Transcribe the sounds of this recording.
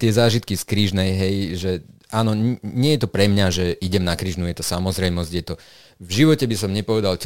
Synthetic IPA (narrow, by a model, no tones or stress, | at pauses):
t̪ɪɛzaːʒit̪̚kiskɾiːʒnɛjɦɛjʒɛʔaːnɔɲɪɛjɛt̪ɔpɾɛmɲaʒɛʔiɟɛmnakɾiːʒnujɛt̪ɔsamɔzɾɛjmɔzɟjɛt̪ɔ | vʒiʋɔcɛbisɔmɲɛpɔʋɛd̪alt͡ʃ